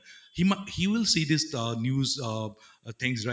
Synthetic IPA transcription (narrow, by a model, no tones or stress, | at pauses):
himahiwɪlsid̪ɪsʌnjuzʌ | t̪ʰɛ̃ŋsɹa